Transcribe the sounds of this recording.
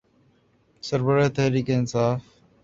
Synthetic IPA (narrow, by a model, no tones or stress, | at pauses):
səɾbəɾːt̪əɦɾiːkeːɪnsaːf